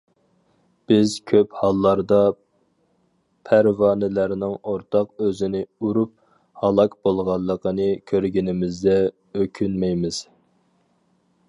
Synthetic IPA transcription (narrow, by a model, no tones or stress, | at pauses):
b̥ɪz̥kʲʰøphɑlˠːɑɾd̪ɑ | pʰæɾvɑːnɪlæɾnɪŋoɾt̪ʰɑqøzɪnɪuɾup̚ | hɑlˠɑkbolˠʁɑlˠːəqənɨkʲʰøɾɡʲinɪmɪzd̪ɛ | økʲʰynmɛjmɪz̥